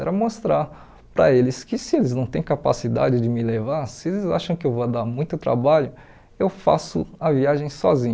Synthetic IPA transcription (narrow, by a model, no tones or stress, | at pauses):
ɛɾɐmost̪ɾaɾ | pɾɐ̰elɪskɪsɪelɪznɐ̃w̃t̪ẽj̃kapa̰sid̪a̰d͡ʒɪd͡ʒɪmɪlevaɾsɪelɪza̰ʃɐ̃w̃kɪewvoɐd̪aɾmũj̃t̪ʊt̪ɾa̰baʎʊ | ewfa̰sʊ̰ɐviaʒẽj̃sɔzĩɲ